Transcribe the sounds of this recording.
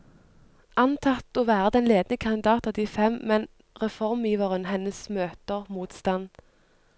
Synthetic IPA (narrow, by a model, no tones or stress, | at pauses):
ʔɑnt̪ʰɑt̪oːʋæːʁəd̪ɛnleːd̪nəkʰɑnd̪ɪd̪ɑːt̪ɑːd̪iːfɛmːɛn | ʁɛfɔʁmjiːʋəʁənhɛnəsmøːt̪əʁmuːt̪st̪ɑn